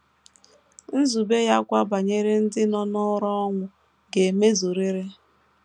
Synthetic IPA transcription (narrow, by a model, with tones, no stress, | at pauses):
n̩˦zu˨be˦ja˦kʷa˦ba˨ɲe˦ɾe˦n̩˦dɪ˦nɔ˦nɔ˦ɾɔ˦ɔ˦ŋʷʊ˨ | ɡe˨me˦zu˨ɾi˦ɾe˦